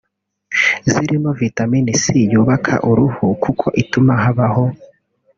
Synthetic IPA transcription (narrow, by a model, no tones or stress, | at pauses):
ziɾimo̞vitaminisijuːβakʰa̰ʔuɾuhukʰukʰo̞ʔitumaɦaβaho̞